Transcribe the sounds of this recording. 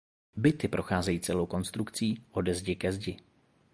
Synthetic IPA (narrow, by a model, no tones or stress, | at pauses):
bɪt̪ɪpɾʔo̞xaːzɛjiːt͡sɛlowko̞nst̪ɾukt͡siːʔo̞dɛzɟɪkɛzɟɪ